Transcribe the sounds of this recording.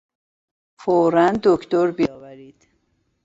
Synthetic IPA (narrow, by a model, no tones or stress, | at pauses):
foɾænd̪okʰt̪oɾbijɒːvæɾiːd̪̥